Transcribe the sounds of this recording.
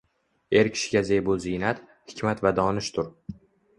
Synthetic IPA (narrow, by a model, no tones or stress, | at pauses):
e̞ɾkʲʰɪ̥ʃɪ̥ɡʲazejbʊzɪjnat̪ | hɪ̥kʲmat̪vad̪ɒːnɪʃt̪ʰʊɾ